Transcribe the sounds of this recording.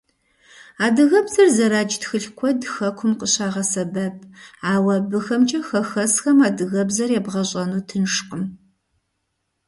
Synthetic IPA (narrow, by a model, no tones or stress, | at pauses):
aːdɨɣɐbzɐrzɐɾaːd͡ʒtxɨɬkʷʰɔdxɐkʷʰʊmqəɕaːʁɐsɐbɐp̚ʼʰaːwɐbɨxɐmt͡ʃʼɐxɐxɐsxɐmaːdɨɣɐbzɐrjɛbʁɐɕʼɐnuːtʰɨnʂqəm